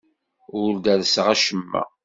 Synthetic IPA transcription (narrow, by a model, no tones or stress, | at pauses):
ʊɾd̪æðəsʁæʃəmːæ̰